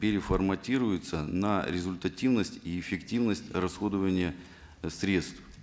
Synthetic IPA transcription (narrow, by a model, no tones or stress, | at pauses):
pʲɪɾʲɪfərmɐtʲiɾʊjɪt̪sənɐɾʲɪzʊlʲt̪ɐtʲivnəsʲtʲiɪfʲɪktʲivnəsʲtʲrɐsxo̞d̪əvənʲɪjə | sɾʲe̞t̪st̪f